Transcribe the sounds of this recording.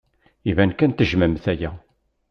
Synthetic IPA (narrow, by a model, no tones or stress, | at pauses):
ivænkænt̪əʒməmθæjæ